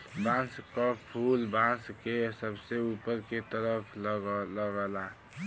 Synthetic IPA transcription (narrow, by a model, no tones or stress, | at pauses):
bãskɔpʰulbãskesəbseupəɾket̪əɾəpʰlɡləɡəla